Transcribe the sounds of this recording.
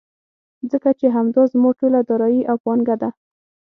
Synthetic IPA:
zəkat͡ʃeɦamd̪ɑzmoʈolad̪ɑɾɑjiʔawpanɡad̪a

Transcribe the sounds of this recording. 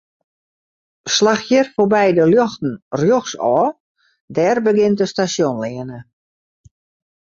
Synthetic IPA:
slaxjərfobɛjdəljɔxtn̩rjoxsɔː | dɛːrbəɡɪntəstasjonlɪənə

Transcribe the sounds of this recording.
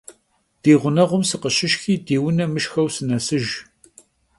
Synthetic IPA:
d̥iːʁʷʊnɐʁʷʊmsɨqəɕɪʃxiːdiːwʊnɐmɨʃxɐwsɨnɐsɨʒ

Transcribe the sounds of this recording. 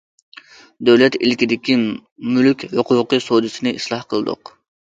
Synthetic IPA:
d̪øwlɛt̪ilkʲid̪ɪkʲimylykʲhoqʊwqəsod̪ɨsɨnɪʔislˠɑhqʰəlˠɨd̪ʊ̰q

